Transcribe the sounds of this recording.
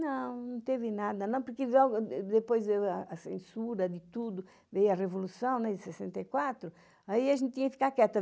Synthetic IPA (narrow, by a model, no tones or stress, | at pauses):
nɐ̃w̃nnnɐ̃w̃t̪evɪnad̪ɐnɐ̃w̃poɾkɪlɔɡʊd̪epojzewaɐsḛ̃nsuɾɐd̪ɪt̪ud̪ʊ | vejɐrevolusɐ̃w̃nɛd̪ɪsesẽnt̪ɐjkwat̪ɾʊ | aiɐʒẽnt̪ɪt̪iɲɐkfikakɛt̪ɐ